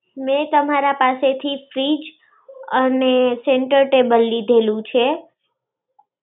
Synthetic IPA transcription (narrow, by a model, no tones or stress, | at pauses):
mɛt̪əmaɾapaset̪ʰifɾid͡ʒ | əneseɳʈəɾʈebəlːid̪ʱelũt͡ʃʰe